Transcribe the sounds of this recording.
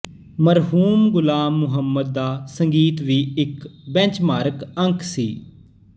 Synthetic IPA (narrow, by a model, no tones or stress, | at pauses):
məɾɦuːmɡʊlaːmːʊɦəmːəd̪̚ːaːsəŋɡiːt̪ʋiːɪkbɛ̃t͡ʃmaːɾkə̃ŋksiː